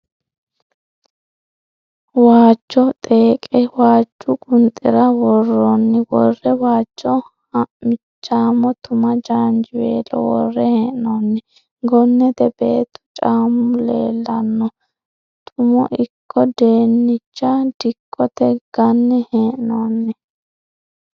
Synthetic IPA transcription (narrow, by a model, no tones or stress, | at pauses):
waːt͡ʃːɔt̪ʼeːkʼɛwaːt͡ʃːʊkʼʊnt̪ʼːɪɾɐwɔrːɔnːɪwɔrːɛwaːt͡ʃːɔ | hɐʔmɪt͡ʃːaːmɔt̪ʊmɐd͡ʒaːnd͡ʒɪwḛːlɔ̰wɔ̰rːɛheːʔnɔnːɪ | ɡɔnːɛt̪ɛbeːt̪ːɔ̥t͡ʃʼaːmʊlḛːlːɐnːɔ | t̪ʼʊmɔʔɪkʰːɔd̪e̞ːnːɪt͡ʃːad̪ɪkʼːɔt̪ɛɡ̥ɐnːɛheʔnɔnːɛ